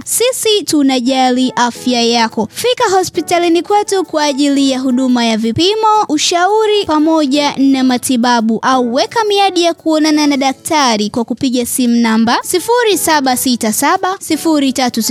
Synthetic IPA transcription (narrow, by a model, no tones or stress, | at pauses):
sisitunaʄaliʔafjajakɔfikaɦɔspitalinikwɛtukwaːʄilijaɦuɗumajavipimɔuʃauɾipamɔʄanamatiɓaɓuʔauwɛkamiaɗijakuɔnananaɗak̚taɾikwakupiɠasimunambasifuɾisaɓasitasaɓasifuɾitatus